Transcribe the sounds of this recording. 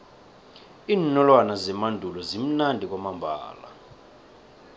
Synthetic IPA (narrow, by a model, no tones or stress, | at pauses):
iːnnɔlwanazɛmandʱulɔzim̩nandʱik̬wamambʱa̰ːla̰